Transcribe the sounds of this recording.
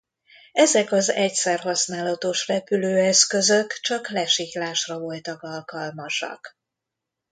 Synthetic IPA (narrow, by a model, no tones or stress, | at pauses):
ɛzɛkɒzɛcsɛrɦɒsnaːlɒt̪o̞ʃrɛpyløːɛskø̞zøkt͡ʃɒklɛʃiklaːʃrɒvo̞lt̪ɒkɒlkɒlmɒʃɒ̰k